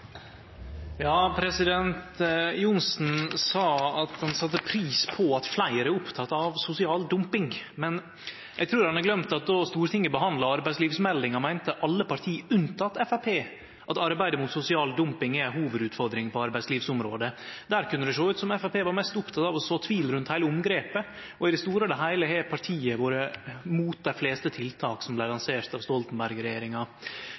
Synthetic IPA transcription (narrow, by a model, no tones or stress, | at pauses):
jɑːpʰɾɛsɪd̪ɛnt̪jʊnsn̩sɑːɑt̪hɑnsɑt̪ːəpʰɾiːspʰɔɑt̪flæɪəɾəʊpt̪ʰɑt̪ːɑʋsʊsɪɑːld̪ʊmpɪŋmɛn | jʔɛɡt̪ʰɾuːɾhɑnɑɾɡlœmt̪ɑt̪̚d̪oːst̪uːɾət̪ʰɪŋːəbəɦɑnd̪lɑɑɾbæɪsliːʋsmɛld̪ɪŋɑmæɪnt̪əʔɑlːəpɑɾt̪ʰiːʉnt̪ʰɑt̪ːɛfæpʰeː | ʔɑt̪ɑɾbæɪd̪əmʊt̪sʊsɪɑːld̪ʊmpɪŋɛhuːʋəd̪ʉːt̪fɔɾd̪ɾɪŋpʰɔɑɾbæɪsliːʋsʊmɾoːd̪əd̪æːɾkʰʉnːəd̪ɛʂoːʉːt̪sɔmɛfæpeːʋɑɾmɛst̪ʊpt̪ʰɑt̪ɑʋɔsoːt̪ʰʋiːlɾʉnt̪hæɪləʊmɡɾeːpə | ɔɪd̪ɛst̪uːɾəd̪ɛɦæɪləhepʰɑɾʈʰiːəʋoːɾəmuːt̪̚d̪æɪfleːst̪ət̪ʰɪlt̪ʰɑːksɔmlæɪlɑnseːɾt̪ɑʋst̪ɔlt̪n̩bæɾɡɾɛjeːɾɪŋɑ